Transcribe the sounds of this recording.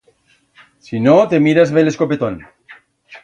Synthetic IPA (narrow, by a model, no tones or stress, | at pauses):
sinot̪emiɾazβeleskopet̪on